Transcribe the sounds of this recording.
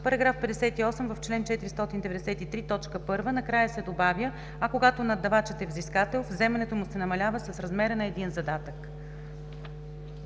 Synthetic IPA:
pɐɾɐɡɾafpɛd̪ɛsɛt̪iɔsɛmvɐft͡ʃlɛnt͡ʃɛt̪iɾist̪ɔt̪ind̪ɛvɛd̪ɛsɛt̪it̪ɾit̪ɔt͡ʃkəpɤɾvənɐkɾajəsɛd̪obavʲjə | ɐkoɡat̪onɐd̪ːɐvat͡ʃɛt̪ɛvziskat̪ɛlˠvzɛmɛnɛt̪omʊsɛnɐmɐlʲavəsəsɾɐzmɛɾənɐɛd̪inzɐd̪at̪ək

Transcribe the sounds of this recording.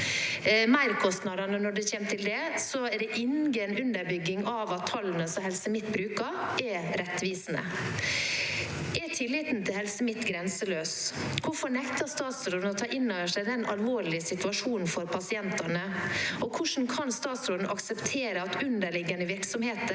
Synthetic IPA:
mæɪɾkʰɔst̪nɑd̪ɑɳənɔɖʉçeːmt̪ʰɪld̪ɛsɔɛd̪ɛʔɪnɡəɛnʉnd̪əɾbʏɡːɪŋɑʋɑt̪ʰːɑln̩əsɔmhɛlsəmɪt̪ːbɾʉːkɑɾʔɛɾɛt̪ʋiːsn̩ə̰ | ɛt̪ʰɪlːɪːt̪n̩t̪ʰɪlhɛlsəmɪt̪ːɡɾɛnsəløːskʰʊɾfɔɾɳɛkt̪ɑst̪ɑːt̪sɾoːd̪n̩ɔt̪ʰɑːʔɪnːoʋəʂæɪd̪ɛnʔɑ̰lʋoːɾɭɪəsɪt̪ʉɑʂuːnn̩fɔɾpʰɑsɪɛnt̪ɑɳəɔkʰʊʂn̩kʰɑnst̪ɑːt̪sɾoːd̪n̩ʔɑksəpt̪ʰeːɾəɑt̪ʉnd̪əɭɪɡənəʋɪɾksɔmheːt̪ə

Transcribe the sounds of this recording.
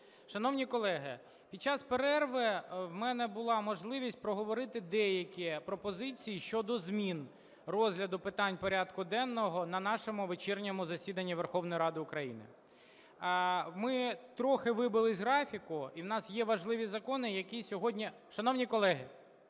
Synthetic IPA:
ʃɐnɔwnʲikɔlˠɛɦɪ | pʲid̪̚t͡ʃɑspeɾɛrʋɪwmɛnɛbʊlˠɑmɔʒlˠɪʋʲisʲt̚ʲpɾɔɦɔʋɔɾɪt̪ɪd̪ɛjɐkʲipɾɔpɔzɪt͡sʲijiʃt͡ʃɔd̪ɔzmʲin | rɔzʲɦlʲɐd̪ʊpɪt̪ɑnʲpɔɾʲɑd̪kʊd̪ɛnːɔɦɔnɐnɑʃɔmʊʋet͡ʃɛrnʲɔmʊzɐsʲid̪ɐnʲːiʋerxɔwnɔjiɾɑd̪ɪʊkɾɐjinɪ̰ | mɪt̪ɾɔxɪʋɪbɪlˠɪzʲɦɾɑfʲikʊiwnɑsjɛʋɐʒlˠɪʋʲizɐkɔnɪjɐkʲisʲɔɦɔdʲnʲi | ʃɐnɔwnʲikɔlˠɛɦɪ

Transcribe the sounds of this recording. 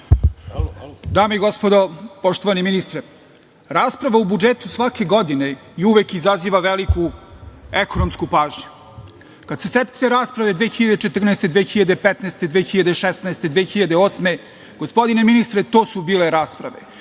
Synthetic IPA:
d̪aːmeiɡospod̪opoʃt̪oʋaniminist̪ɾe | ɾaːspɾaʋaubud͡ʒet̪usʋake̞ɡod̪ineiuʋekizaziːʋaʋeliku | ekonomskupaːʒɲu̥ | kad̪seset̪t̪eɾaːspɾaʋe̞d̪ʋexiʎad̪et͡ʃet̪r̩neːst̪e̞d̪ʋeːxiʎad̪epet̪naːst̪e̞d̪ʋeːxiʎad̪eʃesnaest̪ed̪ʋeːxiʎad̪eoːsme̞ | ɡ̥ospo̞d̪ineminist̪ɾet̪oːsubiːleɾaːspɾa̰ʋḛ

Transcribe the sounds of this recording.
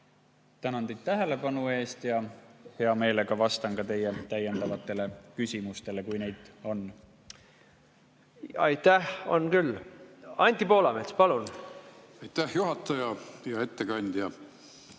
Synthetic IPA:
t̪ænɑnd̪ed̪̚t̪æɦe̞le̞pɑnue̞ːst̪jɑhe̞ɑme̞ːle̞kɑvɑst̪ɑnkɑt̪e̞jːet̪æje̞nd̪ɑvɑt̪ːˑe̞le̞kysʲimust̪e̞le̞kujne̞jd̪̥o̞n | ɑjt̪ːæho̞̰nkylːɑnʲt̪ʲːipo̞ːlɑmet̪spɑlun | ɑjt̪ːæhjuɦɑt̪ːˑɑjɑjɑe̞t̪ːekɑnʲd̪̥jɑ

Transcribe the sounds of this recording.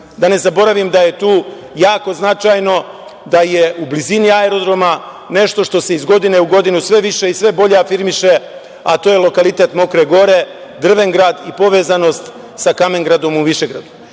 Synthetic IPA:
d̪ane̞zabo̞ɾaʋimd̪aje̞t̪uː | jaːko̞znat͡ʃajno̞ | d̪aje̞ʔubliziniaeɾo̞d̪ɾo̞ma | ne̞ʃt̪o̞ʃt̪o̞se̞izɡo̞d̪ine̞uɡo̞d̪inusʋe̞ʋiʃe̞isʋe̞bo̞ʎe̞afiɾmiʃe̞ | at̪oːjelˠo̞kalit̪e̞t̪mo̞kɾe̞ɡo̞ɾe̞ | d̪r̩ʋe̞ŋɡɾad̪ipo̞ʋe̞ːzano̞st̪ | sakame̞ŋɡɾad̪o̞muʋiʃe̞ɡɾa̰d̪u

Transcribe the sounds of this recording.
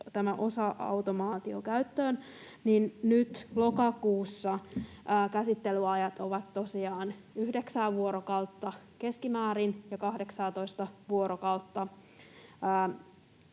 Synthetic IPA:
t̪æmæʔo̞sɑʔɑ̰wt̪omɑːt̪io̰kæyt̪ːøːn | ninnyt̪lo̞kɑkuːsːɑː | kæsit̪ːelyɑjɑt̪oʋɑt̪to̞siɑːnyhde̞ksæːʋuoɾokɑwt̪ːɑke̞skimæːɾinjɑkɑhde̞ksɑːt̪o̞ist̪ɑʋuoɾokɑwt̪ːɑː

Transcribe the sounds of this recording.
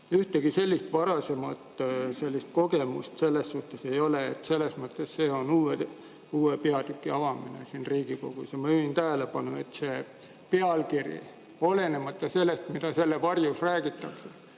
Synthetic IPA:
yht̪eɡ̥ise̞lʲːist̪vɑɾɑse̞mɑt̪se̞lʲːist̪̚ko̞ɡe̞must̪se̞lːe̞sːuht̪e̞se̞jo̞leːt̪se̞lːe̞smɤt̪ˑːesːe̞ːo̞nuːe | uːepeɑd̪̥ykːˑiɑvɑminḛsinriːɡ̥iko̞̰ɡ̥usjɑmɑyint̪æɦæle̞pɑnue̞̰t̪se̞ː | pe̞ɑlkirjḭ | o̞le̞ne̞mɑt̪ːˑɑse̞lːest̪mid̪ɑse̞lːevɑrjusræːɡ̥it̪ˑːɑkse̞

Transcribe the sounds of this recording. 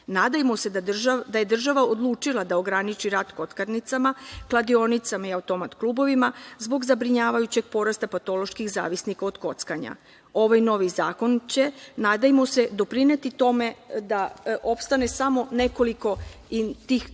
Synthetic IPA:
naːd̪ajmose̞ʒad̪aje̞d̪r̩ʒaʋao̞d̪lˠuːt͡ʃilˠad̪ao̞ɡɾanit͡ʃiɾaːd̪ko̞t̪kaɾnit̪samaklˠad̪io̞nit̪samaiaut̪o̞mat̪kluːbo̞ʋimazbo̞ɡzabɾiɲaːʋajut͡ɕe̞ɡ̚po̞ɾast̪apat̪o̞lo̞ʃkixza̰ːʋisnikaod̪ko̞t̪skaɲa̰ | o̞ʋajno̞ʋizaːko̞nt͡ɕe̞naːd̪ajmo̞se̞d̪o̞pɾine̞t̪it̪o̞me̞d̪aʔo̞pst̪ane̞samo̞ne̞ko̞liko̞it̪iːx

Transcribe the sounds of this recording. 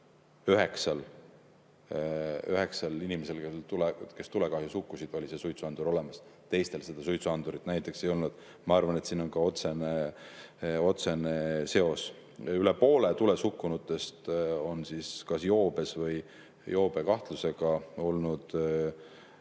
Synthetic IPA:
yɦe̞ksɑl | yhe̞ksɑlinimese̞lket̪ulke̞st̪ule̞kɑːhjusukːusid̪̥o̞lʲise̞sujt̪suɑnd̪uɾo̞le̞mɑst̪e̞jst̪e̞lse̞d̪̥ɑsujt̪suɑnd̪̥uɾit̪ːˑnæjt̪ːˑe̞kse̞jo̞lnud̪̥ | mɑɑrvɑne̞t̪siːno̞nkɑo̞t̪se̞ne | o̞t̪se̞nese̞o̞s | yle̞po̞ːle̞t̪ulesukːˑunut̪ːˑe̞st̪o̞nsiskɑsjo̞ːb̥e̞svɤj | jo̞ːb̥e̞kɑht̪luse̞ɡ̥ɑo̞lnud̪̥

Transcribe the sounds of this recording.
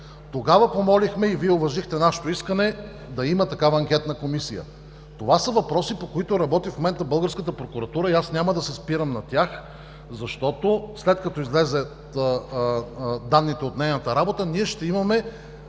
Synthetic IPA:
t̪oɡavəpomɔlixmɛiviɛovɐʒixt̪ɛnaʃe̥t̪oiskənɛ | d̪ɐimɐt̪ɐkavɐːŋk̟ʲɛt̪nəkomisijə̰ | t̪ovasəvɐpɾɔsipokoit̪ʊɾɐbɔt̪ifmomɛnt̪əbɤlˠɡəɾskət̪əpɾokʊɾɐt̪uɾəiasnʲaməd̪ɐsɛspiɾəmnɐt̪ʲjax | zɐʃt̪ɔt̪oslɛt̪̚kɐt̪ɔizlɛzɛ | d̪anːit̪ɛot̪nɛjnət̪əɾabot̪əniɛʃt̪ɛimɐmɛ

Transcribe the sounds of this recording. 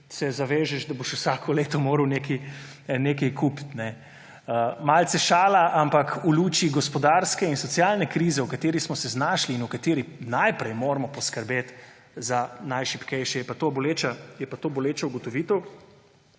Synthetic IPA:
sɛzaʋeːʒɛʃd̪aboʃwsakʰɔleːt̪ɔmoːɾəwneːki | nekɛjkʰupt̪nɛ | əmalt̪sɛʃaːlaʔampakuluːt͡ʃiɡɔspɔd̪aɾskɛinsɔt̪sjalnɛkɾiːzɛwkat̪eːɾismɔsɛznaːʃliːnukat̪eːɾinajpɾɛjmoːɾmɔpɔskəɾbeːt̪ | zanajʃipkɛjʃɛjɛpat̪oːboleːt͡ʃajɛpat̪oːbɔleːt͡ʃauɡɔt̪ɔʋiːt̪əw

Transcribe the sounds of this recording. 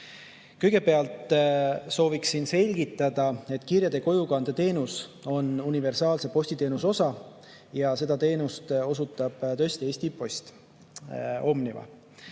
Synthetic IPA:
kɤjɡ̥e̞pe̞ɑlt̪so̞ːviksinse̞lʲɡ̥it̪ːˑɑd̪̥ɑe̞t̪ːˑkirjɑd̪e̞ko̞jukɑnd̪̥et̪e̞ːnuso̞nunive̞rsɑːlse̞po̞sʲt̪it̪e̞nuso̞sɑ | jɑse̞d̪̥ɑt̪e̞ːnust̪o̞sut̪ˑːɑb̥t̪ø̞sʲt̪ie̞ːsʲt̪ipo̞sʲt̪ | o̞mnivɑ̰

